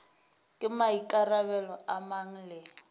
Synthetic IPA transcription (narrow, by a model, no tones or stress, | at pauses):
kʼɪmaikʼarabɛlɔamaŋ̩lɛː